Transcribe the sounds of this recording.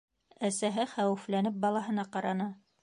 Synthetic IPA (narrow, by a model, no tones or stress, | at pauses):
æsæɦɘχæwɘ̆flænɘp̚bɑlˠɑɦɤ̆nɑqɑɾɑnɑ